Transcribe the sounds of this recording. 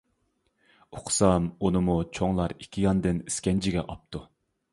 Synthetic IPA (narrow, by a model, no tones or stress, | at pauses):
oqʰsɑmunɨmut͡ʃʰoŋlˠɑɾikʲʰːijɑnd̪ɨniskʲɛnd͡ʒʰɪɡʲɛ̰ʔɑp̚t̪ʰu